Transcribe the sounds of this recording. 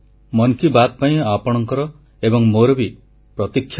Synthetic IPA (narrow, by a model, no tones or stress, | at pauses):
mɔŋkibat̪̚paĩapɔɽ̃ɔŋkɔɾɔ | ebɔŋmoɾɔbi | pɾɔt̪ikʰːj